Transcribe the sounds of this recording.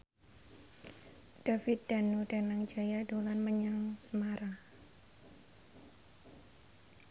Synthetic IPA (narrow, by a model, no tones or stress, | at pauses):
d̥afɪt̪̚d̪̥a̤nud̥anaŋd͡ʒajadolanməɲaŋsəmaɾa